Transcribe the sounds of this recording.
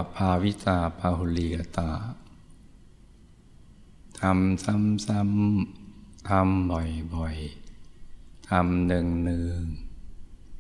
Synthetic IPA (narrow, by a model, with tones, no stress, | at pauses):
pʰaː˧wi˦˥saː˧pʰaː˧ɦu˧liː˧ka˧t̪aː˧˩ | t̪ʰa˧msa˧˥msa˧m | t̪ʰa˧mbɔ˨˩jbɔ˨˩j | t̪ʰa˧mnɯ˧ŋnɯ˧ŋ